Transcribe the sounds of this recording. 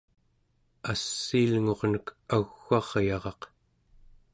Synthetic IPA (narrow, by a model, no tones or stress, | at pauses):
asːiːlŋo̞ʁnəkʰaɣːɑʁjɑʁɑq